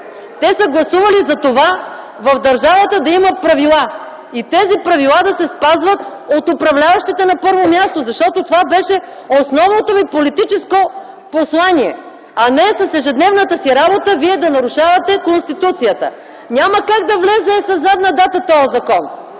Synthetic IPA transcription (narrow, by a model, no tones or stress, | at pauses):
t̪ɛsəɡlˠɐsuvɐlizɐt̪ova | vɐfd̪ɐɾʒavət̪əd̪ɐimɐpɾɐvilˠa | it̪ɛzipɾɐvilˠad̪ɐsɛspazvɐt̪ot̪opɾɐvlʲavɐʃt̪it̪ɛnɐpɤɾvomjast̪ozɐʃt̪ɔt̪ot̪ovabɛʃɛ | osnɔvnot̪omipolit̪it͡ʃɛsko | poslˠaniɛ | ɐnɛsɐsɛʒɛd̪nɛvnət̪əsiɾabot̪əviɛd̪ɐnɐɾuʃavɐt̪ɛkonst̪it̪ut̪sijət̪ə | nʲaməkaɡ̚d̪ɐvlɛzɛsɐzad̪nɐd̪at̪ət̪ɔjəzɐkɔn